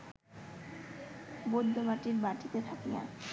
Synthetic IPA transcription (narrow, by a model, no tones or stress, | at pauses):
bodd̪ʱobaʈiɾbaʈit̪et̪ʰakija̰